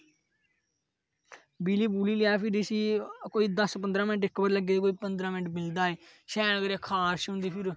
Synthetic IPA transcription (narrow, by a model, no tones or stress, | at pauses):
biːliːbuːliːlɪjaːpʰɪɾsiːkoːiːd̪əspənd̪ɾãːmɪnʈɪkːbəɾləɡeːd̪ekoːiːpənd̪ɾaːmɪnʈmɪld̪aːeː | ʃɛːnɡəɾakʰaːʃʊ̃nd̪iːpʰɪɾ